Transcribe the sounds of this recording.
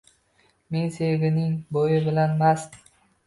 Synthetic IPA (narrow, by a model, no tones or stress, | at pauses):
meŋseɡʲɪnɪŋbojɪbɪlanmas